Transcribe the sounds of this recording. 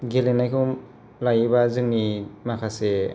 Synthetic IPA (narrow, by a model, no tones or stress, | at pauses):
ɡelenajkʰɯm | lajbazɯŋnimakʰase